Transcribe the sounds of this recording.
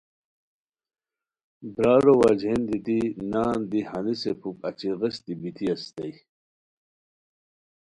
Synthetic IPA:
bɾaːɾowad͡ʑʱend̪it̪inaːnd̪ihɐnisepʰukɐt͡ɕiʁɐst̪ibit̪ʰiɐst̪ɐj

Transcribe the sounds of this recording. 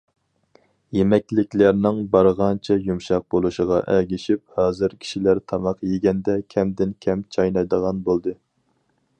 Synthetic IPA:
jemɛkʲlɪkʲlæɾnɪŋbɑɾʁɑnt͡ʃʰɛjumʃɑq̚bolˠuʃəʁɑʔɛɡʲɪʃip̚hɑːzɨɾkʲʰi̥ʃilæɾt̪ʰɑmɑqjeɡʲɛnd̪ɛkʲʰɛmd̪ɪnkʲʰɛmt͡ʃʰɑjnɑjd̪əʁɑnbolˠd̪ɨ

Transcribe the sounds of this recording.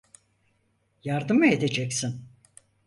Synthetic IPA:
jaɾd̪ɯmɯed̪e̞d͡ʒɛcsin

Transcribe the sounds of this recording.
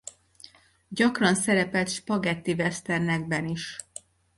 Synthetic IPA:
ɟɒkrɒnsɛɾɛpɛlt̪ʃpɒɡɛt̪ːivɛst̪ɛrnɛɡbɛniʃ

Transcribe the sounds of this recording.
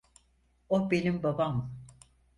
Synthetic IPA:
obenimbabam

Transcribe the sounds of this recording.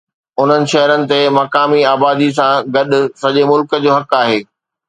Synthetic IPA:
ʊn̤ənɪ̆ʃɐɦəɾənɪ̆t̪emɐkaːmiaːbaːd̪is̬ãɡɐɗʊ̆sɐʄemʊlkə̆d͡ʑoːɦɐkaːɦeː

